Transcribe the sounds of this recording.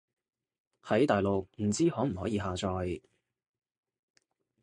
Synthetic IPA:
hɐ˨˥jt̪aː˨jlo˨w̚m̩˨˩t͡siː˥hɔː˨˥m̩˨˩hɔː˨˥jiː˨˧ɦaː˨˧t͡ʃɔː˧j

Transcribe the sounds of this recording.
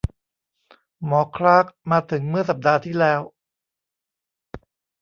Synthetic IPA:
mɔː˩˦kʰɾaː˦˥k̚maː˧t̪ʰɯ˩˦ŋmɯ˥˩ɐsa˨˩p̚daː˧t̪ʰiː˥˩lɛː˦˥w

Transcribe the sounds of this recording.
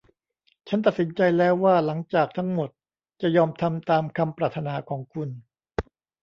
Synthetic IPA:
t͡ɕʰa˦˥nt̪̬a˨˩t̪̚si˩˦nt͡ɕa˧jlɛː˦˥wːaː˥˩la˩˦ŋt͡ɕaː˨˩k̚t̪ʰa˦˥ŋmo˨˩t̪̚ | t͡ɕa˨˩jɔː˧mt̪ʰa˧mt̪aː˧mkʰa˧mpɾaː˨˩t̪ʰːa˧naː˩˦kʰɔː˩˦ŋkʰu˧n

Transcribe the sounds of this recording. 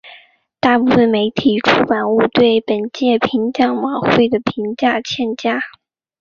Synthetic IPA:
t̪a˥˧pu˥˧fə˥˩nme˧˥ɪt̪ʰi˨˩ʈ͡ʂʰu˥pa˨˩nu˥˧t̪we˥˩ɪpə˨˩nt͡ɕjɛ˥˩pʰi˧˥ŋt͡ɕjɑ˥˩ŋmɑ˨˩xwe˥˩ɪd̪ə˩pʰi˧˥ŋt͡ɕja˥˧t͡ɕʰjɛ˥˧nt͡ɕja˥˩

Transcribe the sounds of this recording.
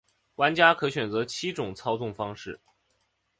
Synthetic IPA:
wa˧˥nt͡ɕja˥kʰɤ˧˥ɕɥɛ˨˩nt͡sɤ˧˥t͡ɕʰi˥ʈ͡ʂʊ˨˩˦ŋt͡sʰɑ˥ʊt͡sʊ˥˩ŋfɑ˥ŋʂɻ̩˥˩

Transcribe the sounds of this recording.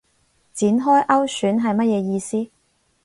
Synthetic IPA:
t͡siː˨˥nɦɔː˥jʔɐ˥wsyː˨˥nɦɐ˨jmɐ˥t̚jɛː˨˧jiː˧siː˥

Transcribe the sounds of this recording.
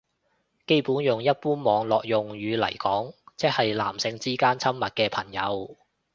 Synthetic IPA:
ke˥jpuː˨˥njʊ˨ŋjɐ˥t̚puː˥nmɔː˨˧ŋlɔː˨k̚jʊ˨ŋɥyː˨˧lɐ̰˨˩jkɔː˨˥ŋt͡sɛ˥k̚hɐ˨jla̰ː˨˩msɪ˨˧ŋt͡siː˥kaː˥nt͡sʰɐ˥mmɐ˨t̚kɛː˧pʰɐ˨˩ŋjɐ˨˧w

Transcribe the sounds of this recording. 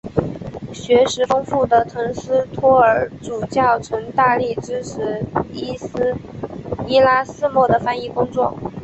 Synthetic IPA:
ɕɥɛ˧˥ʂɻ̩˧˥fɤ˥ŋfu˥˩d̪ə˩t̪ʰɤ˧˥ŋsɹ̩˥t̪ʰwɔ˥ə˞˨˩ʈ͡ʂu˨˩t͡ɕjɑ˥˩ʊt͡sʰwə˧˥ŋt̪a˥˧li˥˩ʈ͡ʂɻ̩˥ʂʰɻ̩˧˥i˥s̩˥ | i˥la˥sɹ̩˥˧mwɔ˥˩d̪ə˩fa˥ni˥˩kʊ˥ŋt͡swɔ˥˩

